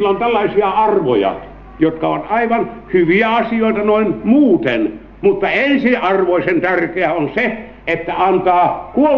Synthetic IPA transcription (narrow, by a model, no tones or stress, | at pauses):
lːont̪ælːɑisiɑɑrʋojɑ̰ | jot̪kɑoʋɑt̪ɑiʋɑnhyʋiæɑsioˑit̪ɑnoinmuːt̪en | mut̪ːɑensiɑrʋoisent̪ærkeæonse | et̪ːæɑnt̪ɑːkuo